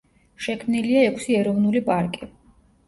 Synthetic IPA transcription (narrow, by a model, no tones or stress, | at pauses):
ʃɛkʰmniliaɛkʰsiɛɾɔvnulipʼaɾkʼi